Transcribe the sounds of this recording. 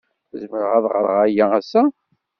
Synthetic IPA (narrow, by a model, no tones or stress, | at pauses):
zməɾʁæðˤʁəɾˤʁæjææsːæ